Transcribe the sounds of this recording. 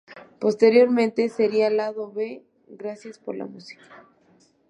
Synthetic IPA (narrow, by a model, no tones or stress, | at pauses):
po̞st̪e̞ɾjo̞ɾmẽ̞nt̪e̞seɾialaðo̞βe | ɣɾasjaspo̞ɾla̰musi̥kḁ